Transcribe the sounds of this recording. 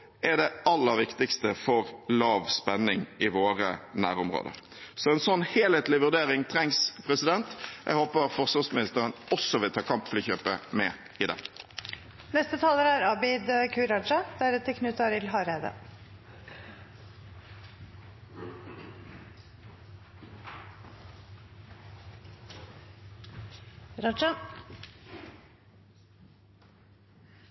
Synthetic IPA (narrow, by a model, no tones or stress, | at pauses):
ɛd̪ɛɑlːəɾʋɪkt̪ɪkst̪əfɔʁlɑːʋspɛnɪŋɪʋoːʁənæ̰ːɾʊmʁo̰ːd̪ə̰ɾ | sɔɛnsɔnːheːlheːt̪lɪʋʉʁd̪eːɾɪŋt̪ʰɾɛŋspʰɾɛsɪd̪ɛnt̪jʔɛ̰ɡhoːpəfɔʁsʋɑsmɪnɪst̪əɾənɔsɔʋɪlt̪ʰɑːkʰɑmpfliçøːpəmɛ̰ | ɪd̪ɛ̰ | nɛst̪ət̪ʰɑːləɾæɾɑbɪd̪kʰʉːɾɑd͡ʒɑd̪̥æɾʉt̪əkʰnʉːt̪ɑɾɪlɦɑɾæɪd̪ə̰ | ɾɑd͡ʒɑ